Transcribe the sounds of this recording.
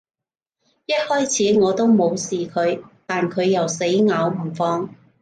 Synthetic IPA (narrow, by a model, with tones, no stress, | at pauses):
jɐ˥t̚hɔː˥jt͡sʰiː˨˥ŋɔː˨˧t̪o˥wmo˨˧wsiː˨kʰɵ˨˧ɥt̪aː˨nkʰɵ˨˧ɥjɐ˨wse˨˥jŋaː˨˧wm̩˨˩fɔː˧ŋ